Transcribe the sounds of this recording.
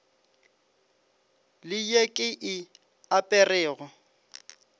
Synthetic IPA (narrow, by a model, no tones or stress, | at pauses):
lɪjekʼɪʔɪ | apʼɛrɛːɣɔ